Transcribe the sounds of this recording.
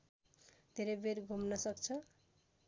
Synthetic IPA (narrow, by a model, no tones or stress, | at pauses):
d̪ʱeɾebeɾɡʱomnʌsʌkt͡sʰʌ